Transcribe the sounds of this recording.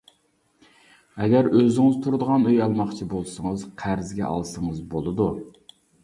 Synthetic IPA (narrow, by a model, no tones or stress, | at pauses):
ɛɡʲæɾøzɪŋɪzt̪ʰuɾd̪əʁɑnøjɑlˠmɑχt͡ʃʰibolˠsəŋəzqʰæɾzɡʲɛ̰ʔɑ̰lˠsəŋəzbolˠɨd̪u